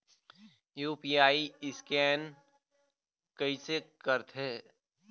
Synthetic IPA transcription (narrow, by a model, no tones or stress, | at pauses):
juːpiːaːiɪskɛːn | kɐisekəɾt̪ʰɦeː